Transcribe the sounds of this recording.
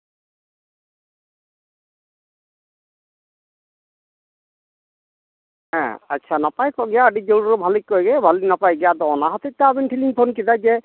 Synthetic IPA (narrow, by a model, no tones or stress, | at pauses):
ɛ̃aːt͡ʃʰanapajkɔɡɛjaəɖid͡ʒouɾɔbʱalikɔjɡɛbʱalinapajɡɛjad̪ɔɔnaɦɔt̪ɛt̪abinʈʰiliŋpʰonkid̪ajd͡ʒɛ